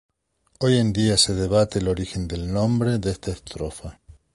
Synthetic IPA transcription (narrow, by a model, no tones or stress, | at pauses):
ojend̪iase̞ð̞eβat̪elo̞ɾixe̞nd̪e̞lnõmbɾeðest̪aest̪ɾofa